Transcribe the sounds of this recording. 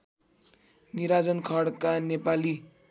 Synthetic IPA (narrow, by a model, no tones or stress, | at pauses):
niɾad͡zʌnkʰʌɽkanepali